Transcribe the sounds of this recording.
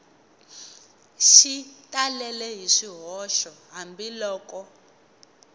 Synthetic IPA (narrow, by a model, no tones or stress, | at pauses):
ʃitʼalɛlɛɦiʂiɦɔʃɔɦambilɔːkʼɔ